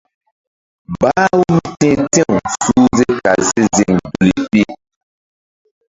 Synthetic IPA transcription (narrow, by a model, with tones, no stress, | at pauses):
ba˦wu˦m˦tɛ̃˦tɛ̃˦ũ˨suː˦ze˦ka˨ze˦zi˨ŋdu˨li˨pi˦